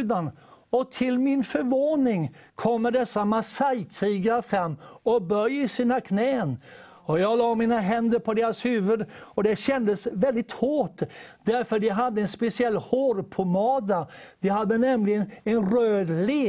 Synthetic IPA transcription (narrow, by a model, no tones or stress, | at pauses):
d̪anɔt̪ʰɪlmɪnfœɾvoːnɪŋkʰɔmːəɖɛsːamasajkʰɾiːɡafɾamːɔbœjɪsiːnakʰnɛːn | ɔjɑːɡlɑːmiːnaɦɛnd̪əɾpʰɔd̪eːɾashʉ̟ːvəd̪ɔd̪ɛɕɛnd̪əsvɛld̪ɪt̪hoːʈd̪æɾfœɖ̪ɛɦad̪ːəɛnspɛsɪɛlːhoːɾpʰɔmɑːd̪ad̪̥ɛhad̪ːənɛmlɪɡənɛnɾøːd̪le